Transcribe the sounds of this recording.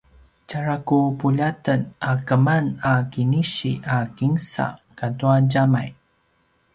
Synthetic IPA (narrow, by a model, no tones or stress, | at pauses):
caɾakupuʎatənakəmanakiniɕiʔakiŋsa̰katuanɟamaj